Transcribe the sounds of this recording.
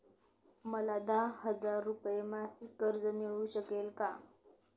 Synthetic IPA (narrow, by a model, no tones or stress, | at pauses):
məlad̪ahəd͡zaɾːupjemasikəɾd͡zəmiɭuːɕəkelka